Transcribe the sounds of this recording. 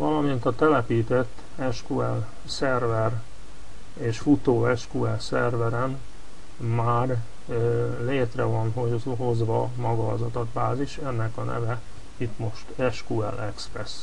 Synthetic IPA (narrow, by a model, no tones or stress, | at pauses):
vɒlɒmint̪ɒt̪ɛlɛpiːt̪ɛt̪ː | ɛʃkuɛl | sɛrvɛr | eːʃfut̪oːɛʃkuɛlsɛrvɛɾɛn | maːr | leːt̪rɛvɒnɦoɦo̞zʋɒmɒɡɒɒzɒt̪ɒt̪baːziʃɛnːɛkɒnʔɛ̰vɛ | it̪mo̞ʃt̪ɛʃkuɛ̰lʔɛksprɛs